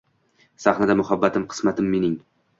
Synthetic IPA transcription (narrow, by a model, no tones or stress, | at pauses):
saχnad̪amʊhabːat̪ʰɪmqʰɨ̥smat̪ʰɪmːenɪŋ